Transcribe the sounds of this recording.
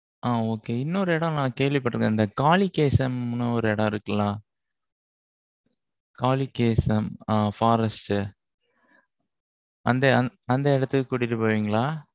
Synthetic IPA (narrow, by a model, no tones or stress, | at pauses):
ʔaːoːkeːɪnːɐɔɾɯɛɽɐ̃nãːkeːʋɪpːɐʈːɯɾɯkɡẽːɪnd̪ɐkaːlikeːsɐmnɐɔɾɯɛɽɐ̃ɪɾɯkːɐlãː | kaːlikeːsɐmaːfaːɾɐsʈ | ʔɐnd̪ɐɐnd̪ɐɪɽɐt̪ːɯkʊːɽɪɾɯpɐːʋiːŋɡɐɭaː